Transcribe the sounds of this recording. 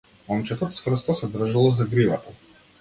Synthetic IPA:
ɔmt͡ʃɛt̪ɔt̪svr̩st̪ɔsɛd̪r̩ʒalˠɔzaɡɾivat̪a

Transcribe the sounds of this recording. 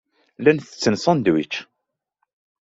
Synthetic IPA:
lænθət͡sːənsˤɑnd̪wit͡ʃː

